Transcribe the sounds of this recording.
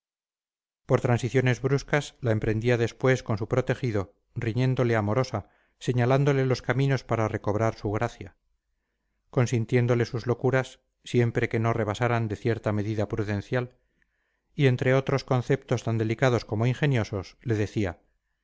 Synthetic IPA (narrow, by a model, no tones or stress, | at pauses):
po̞ɾt̪ɾansiθjo̞ne̞zβɾuskaslaempɾe̞nd̪iaðe̞spwe̞sko̞nsupɾo̞t̪e̞xiðo̞ | riɲẽ̞nd̪o̞le̞amo̞ɾo̞sa | se̞ɲaland̪o̞le̞lo̞skamĩno̞spaɾare̞ko̞βɾaɾsuɣ̞ɾaθja | ko̞nsint̪je̞nd̪o̞le̞suzlo̞kuɾasː | je̞mpɾe̞ke̞no̞re̞βasaɾand̪e̞θje̞ɾt̪ame̞ðiðapɾuðẽ̞n̟θjal | ie̞nt̪ɾe̞o̞t̪ɾo̞sko̞nθe̞pt̪o̞st̪and̪e̞likaðo̞sko̞mo̞iŋxe̞njo̞sosle̞ðe̞θia